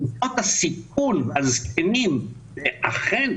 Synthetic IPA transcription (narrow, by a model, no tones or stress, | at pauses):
tot̪asik̚unvazkenim | veʔaχen